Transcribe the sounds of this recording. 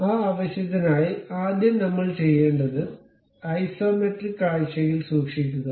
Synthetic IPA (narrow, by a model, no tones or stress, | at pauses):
aːaːʋɐɕjɐt̪ːɐnaːjiaːd̪jɐmnɐmːɐɭt͡ɕe̞jːe̞ːɳɖɐðɨ | ɐjsoːmeʈrikːaːɻɕɐjilsuːkʂikʲːuɣɐ